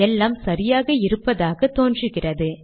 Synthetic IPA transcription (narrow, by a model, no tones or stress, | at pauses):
ɛlːaːmsɐɾɪjaːɣɐɪɾɯpːɐðaːɣɐt̪oːndrɯɣɪrɐðɯ